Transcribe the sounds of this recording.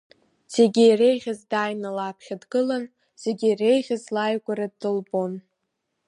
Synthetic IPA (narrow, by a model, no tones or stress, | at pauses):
z̥e̞ɡʲiire̞jʁʲazdaːjnalapʰχʲadɡɨlan | z̥e̞ɡʲiːre̞jʁʲazlajɡʷaɾadːɨlbo̞n